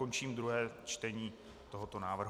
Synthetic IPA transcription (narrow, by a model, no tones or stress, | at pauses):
o̞nt͡ʃiːmd̪ɾuɦɛːt͡ʃt̪ɛɲiː | t̪o̞ɦot̪o̞naːvr̩ɦ